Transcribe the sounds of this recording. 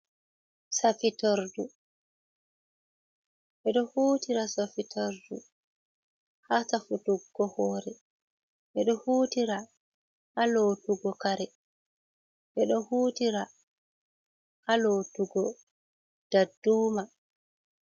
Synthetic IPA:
safitaɾdu | ʔɛɗɔhuːtiɾasafitʰaɾdṵ | hatafutuɡːɔhɔːɾɛ | ʔɛɗɔhuːtiɾa | ʔalotuɡɔkaɾɛ | ʔɛɗɔhuːtiɾa | ʔaloːtuɡɔ | d̥adːuːma

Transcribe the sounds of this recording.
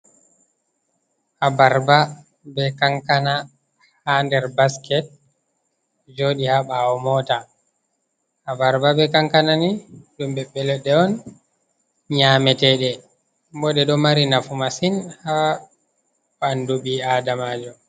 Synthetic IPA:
ʔabaɾba | bɛkaŋkana | handɛɾbaskɛt̚ | d͡ʒoɗihaɓaɔmɔta | ʔabaɾbabɛkaŋkananiɗumbɛɓːɛlɛɗɛɔn | ɲamɛtɛɗɛ | bɔɗɛɗɔmaɾinafumasinha | ɓanduɓiadamaːd͡ʒɔ

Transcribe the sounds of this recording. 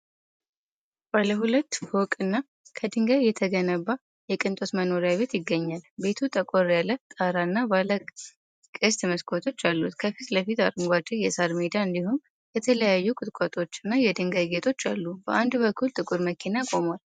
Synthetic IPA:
b̥aləɦulət̪ːhokʼɨnːa | kʰəd̪ɨŋɡəβjɛt̪ʰəɡənəβːa | jɛkʼɨnt̪ʼosməno̞ɾjaβe̞t̪jɪɡːəɲːalbe̞t̪ʰut̪ʼəkʼoɾjalːət̪ʼaɾaɨnːabalə | kʼɨst̪ʰiməskʰot̪ʰo̞t͡ʃːalːut̪kʰəfit̪ləfit̪aɾɨŋɡʷwad͡ʒijɛsaɾmid̪aɨnd̪ihum | jɛt̪ʰələjajːukʼɨt̪ʼkʷʰʼot̪ʼo̞t͡ʃːɪnːajɛd̪ɨŋɡəɡe̞t̪ʰʼo̞t͡ʃːalːubə̰ʔand̪bəkʰːult̪ʼɨkʼuɾməkʰinakʼo̞mwal

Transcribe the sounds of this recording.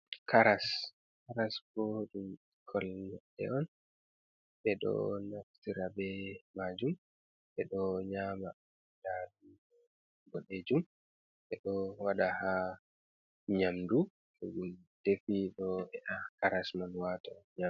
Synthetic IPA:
kʰaɾas | kaɾasboɗu | kʰɔlnɛɗɛ̰ɔn | ɓɛɗɔ̰naftiɾabɛmaːd͡ʒum | ɓɛɗɔɲaːma | daɗu | ɔ | ɡɔɗed͡ʒum | ɓɛɗɔwaɗaha | ɲamdu | uɡu | d̥efiɗɔɛʔakaɾasmanwataɲa

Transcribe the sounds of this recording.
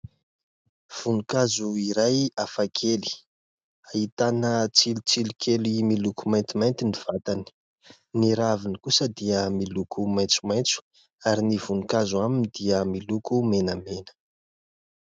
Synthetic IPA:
v̥unukazuiɾajafakʰeli̥ | ait̪anət͡silut͡silikʰelimilukumajnt̪imajnt̪iniv̥at̪ani̥ | niɾavinikusəd̪iəmilukʰumajnt͡sumajnt͡su̥ | aɾinivunukazuaminid̪iəmilukumenəmenə̥

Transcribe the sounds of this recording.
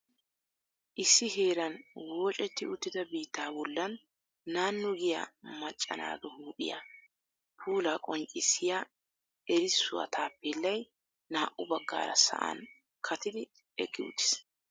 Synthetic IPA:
ʔɪsːɪɦeːɾɐnwoːt͡ʃʼɛt̪ːɪʊt̪ːɪd̪ɐbiːt̪ːaːbɔlːɐnː | aːnːʊɡɪjɐ̰mɐt͡ʃʼːɐ̰na̰ːɡ̪ɔhuːpʼɪ̰ja̰ | pʰuːlakʼɔŋt͡ʃʼːɪsːɪjaː | ɛɾɪsːʊwɐ̰t̪ʰaːpːɛlːɐj | naːʔʊbɐɡːa̰ːɾɐ̰sɐ̰ʔa̰n | kʰɐt̪ɪd̪ɪ | ɛkʼːɪʊ̰t̪ːɪ̥s

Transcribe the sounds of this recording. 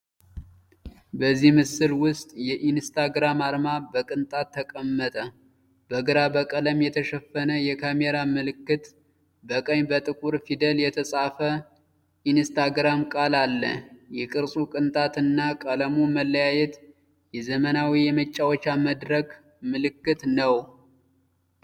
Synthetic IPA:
bəzːihmɨsɨlwʊst̪ʼjɛʔinst̪ʰaɡɾamaɾmabəkʼɨnt̪ʼat̪ʰːəkʼəmːət̪ʼə | b̥əɡɾabəkʼələmjɛt̪ʰəʃɛfːənəjɛkʰameɾamɨlɨkːɨt̪ | bəkʼəɲbət̪ʼɨkʼuɾfid̪əljɛt̪ʰəsʼafə | ʔinst̪ʰaɡɾamkʼalalːə̰jɛkʼɨɾsʼukʼɨnt̪ʼat̪ɨnːakʼələmuməlːəjajɛt̪ | jɛzəmənawijɛmət͡ʃʼːawot͡ʃːaməd̪ɾək | mɨlɨkːɨt̪nəw

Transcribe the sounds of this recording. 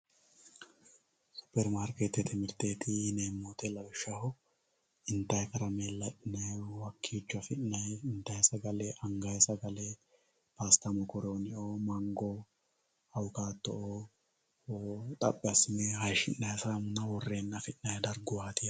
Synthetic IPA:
sʊ̥pɛɾmaːɾket̪ɛt̪ɪmɪɾt̪eːt̪ʰineːmːoːt̪ɛlɐbɪʃːɐhʊ | ɪnt̪ɐjkɐɾɐmeːlɐʔɪnɐwɐkʰːiːt͡ʃːɐfɪnːɐjɪnt̪ɐjsɐɡɐleʔɐŋɡajsɐɡɐle | paːst̪ɐmɔkɔɾoːnɪʔoːmɐŋɡoː | ɐwʊkaːt̪ːɔʔoː | t̪ʼɐpʼːɪɐsmeːɦɐjʃɪ̰nːɐjsamʊnɐwɔrːe̞ːnːɐfɪnːɐjd̪ɐɾɡʊwaːt̪ɪ

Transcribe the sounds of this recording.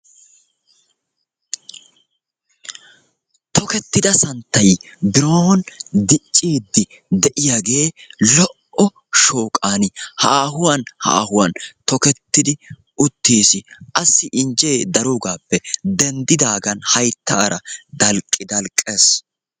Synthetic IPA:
t̪ʰɔkɛt̪ːɪd̪ɐsɐnt̪ːɐjbɪɾoːnd̪ɪt͡ʃʼːiːd̪ːɪ | d̪ɛʔɪjaːɡe̞ːlɔʔɔ | ʃo̞ːkʼaːnɪhaːɦʊwanha̰ːhʊwɐnt̪ɔkɛt̪ːɪd̪ɪ | ʔʊt̪ːiːsɪʔɐsːɪʔɪnd͡ʒe̞ːd̪ɐɾuːɡaːpːɛd̪ɛnd̪ɪd̪aːɡɐnhɐjt̪ːa̰ːɾɐd̪ɐlkʼːɪd̪ɐlkʼːeːs

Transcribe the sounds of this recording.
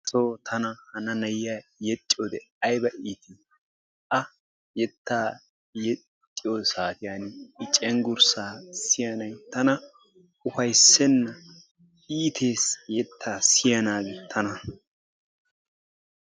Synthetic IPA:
soːt̪ʰɐnɐhɐnɐnɐjjaːjɛt͡ʃʼːod̪ɛɐjbɐʔiːt̪i | ʔɐ | jɛt̪ːaː | jɛ | t͡ʃʼːɪjosaːt̪ɪjaːnɪɪt͡ʃʼɛŋɡʊɾsaːsɪjɐnɐjt̪ɐnɐ | ʊfɐjsːɛnːɐ | iːt̪ʰe̞ːsjɛt̪ʰːaːsɪjɐnaːɡɛt̪ʰɐnɐ

